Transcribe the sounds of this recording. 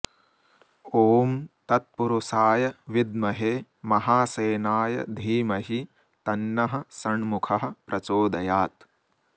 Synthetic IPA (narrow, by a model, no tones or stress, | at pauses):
oːmt̪ɐt̪̚puɾusaːjɐʋid̪mɐɦeː | mɐɦaːseːnaːjɐ̰d̪ʱiːmɐɦi | t̪ɐnːɐɦɐ̆sɐɳmukʰɐɦɐ̆pɾʔɐt͡ʃoːd̪ɐjaːt̪